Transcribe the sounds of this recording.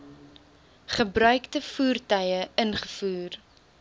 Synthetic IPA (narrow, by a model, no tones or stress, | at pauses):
χəbɾœɥktəfuːrtœjəənχəfuːr